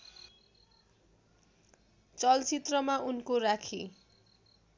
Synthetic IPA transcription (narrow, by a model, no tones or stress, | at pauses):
t͡sʌlt͡sit̪rʌmaʔunkoɾakʰi